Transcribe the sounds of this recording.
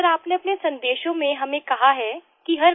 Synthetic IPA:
ɾaːpneɐpnesɐ̃nd̪eːʃõmẽɦɐmẽkɐɦaɦɛ | kiɦɐɾ

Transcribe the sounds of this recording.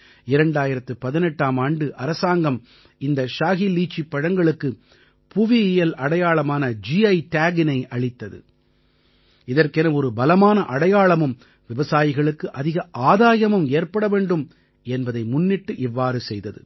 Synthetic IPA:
ɪɾɐɳɖaːjɪɾɐt̪ːɯpɐðɪnɛʈːaːmaːɳɖɯʔɐɾɐsaːŋɡɐm | ɪnd̪ɐʃaːɣiliːt͡ʃːipːɐɻɐŋɡɐɭɯkːɯ | pʊʋiɪjɛlɐɽɐjaːɭɐmaːnɐd͡ʒiɐɪʈaːɡɪnɐɪʔɐɭɪt̪ːɐðɯ̰ | ɪðɐrkɛnɐɔɾɯbɐlɐmaːnɐʔɐɽɐjaːɭɐmɯm | ʋɪʋɐsaːjɪɣɐɭɯkːɯʔɐðɪɣɐʔaːðaːjɐmɯmeːrpɐɽɐʋeːɳɖɯm | ɛnbɐðɐɪmʊnːɪʈːɯʔɪʋːaːɾɯsɛjðɐðɯ̰

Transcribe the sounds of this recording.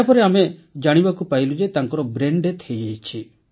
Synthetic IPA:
apɔɾeamed͡ʒaɽ̃ibakupaɦilud͡ʒet̪aŋkɔɾɔbɾeɳɖet̪ʰejejt͡ʃʰi

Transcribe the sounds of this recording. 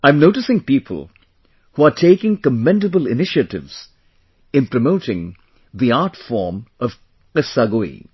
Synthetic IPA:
ãɪ̃mnoʊtɨsɪ̃ŋpiːpʰə̰l̩ˠ | huatʰeɪkɪ̃ŋkəmɛ̃ndəbəlɪnɪʃətɪ̰vz̥ | ɨ̃npɾəmoʊɾɪ̃ŋ | ðiaɾtfɔɹmʌv̥ | qɪsaɡoḭ

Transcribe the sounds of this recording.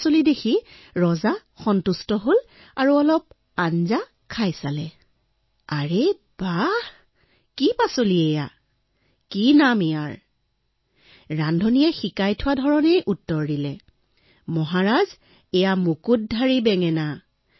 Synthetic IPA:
solidekʰi | ɹɔza | xɔntustɔɦol | aɹuɔlɔp̚ | anza | kʰajsalɛ | aɹe | b̥ah | kipasoliɛja̰ | kinamɛjaɹ | ɹandʱɔnijɛxikajtʰʊwadʱɔɹɔnejʔutːɔɹdilɛ | mɔɦaɹaz | ɛjamukut̚dʱaɹibɛŋɛna

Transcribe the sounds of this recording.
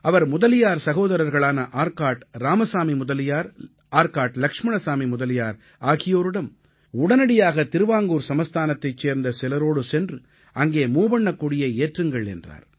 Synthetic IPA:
ɐʋɐɾmʊðɐlɪjaːɾsɐɣoːðɐɾɐɾɣɐɭaːnɐʔaːɾkaːɾʈɾaːmɐsaːmimʊðɐlɪjaːɾ | aːɾkaːɾʈlɐkʂmɐɳɐsaːmimʊðɐlɪjaːɾ | aːɣɪjoːɾɯɽɐm | ʊɽɐnɐɽɪjaːɣɐt̪ɪɾɯʋaːŋɡuːɾsɐmɐst̪ʰaːnɐt̪ːɐɪt͡ʃːeːɾnd̪ɐsɪlɐɾoːɽɯsɛndrɯ | ɐŋɡeːmuːbɐɳːɐkːuːɽɪjɐeːʈrɯŋɡɐɭɛ̰ndra̰ːɾ

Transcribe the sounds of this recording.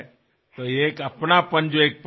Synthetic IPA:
t̪oeːkəpnapənd͡ʒoeːk̚p

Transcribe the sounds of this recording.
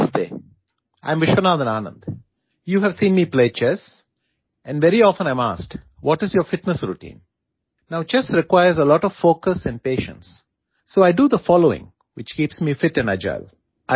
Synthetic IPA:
sdḛː | ʔã̰ɪ̃mʋɪʃənaːd̪ə̃naːnə̰̃nd̪ | juːɦɛʋsĩːnmiːpleːt͡ʃɛs | ɛ̃nɖʋɛɾiɔfə̃ñãɪ̃ma̰ːsk | ʋɔʈɪzjɔɾfɪʈnəsɾuʈḭ̃ːn | naʊt͡ʃɛsɾɪkwaɪəɾzəlɔːʈɔʋfoːkəsɛ̃ɳɖ̚peːʃə̰̃nsː | oːaɪɖud̪əfɔloːɪ̰̃ŋ | ʋɪt͡ʃkiːpsmiːfɪʈɨ̃naɪd͡ʒa̰ɪl

